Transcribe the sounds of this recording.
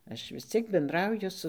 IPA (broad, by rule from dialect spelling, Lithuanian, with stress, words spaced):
ˈɐʃ ʋʲɪs ˈt͡sʲiɛk bʲɛnˈdrɐʊjʊ sʊ